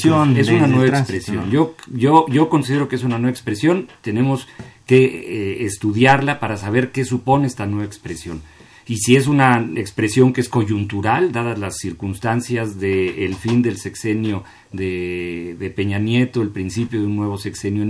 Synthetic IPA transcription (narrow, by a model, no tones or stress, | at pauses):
oesunanweβaekspɾesjo̰nʝo̞ʝoʝo̞ko̞nsiðeɾo̞kees̬unanweaekspɾe̞sjo̞nt̪e̞ne̞mo̞ske̞ːst̪uðjaɾlapaɾasaβ̞e̞ɾke̞supo̞ne̞est̪anwe̞βaekspɾesjo̞n | isie̞s̬unaekspɾe̞sjo̞ŋkeesko̞ʝunt̪uɾald̪aðalasːiɾkunst̪ansjazðe̞ːlfind̪e̞lse̞kse̞njo̞ | ðe̞ðe̞pe̞ɲanje̞t̪oelpɾinsipjo̞ðeunːwe̞β̞o̞se̞kse̞njo